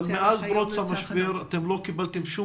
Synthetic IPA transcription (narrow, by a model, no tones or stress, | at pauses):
lmeʔazbɾot͡samaʃbeɾat̪emlo̞kibalt̪emʃu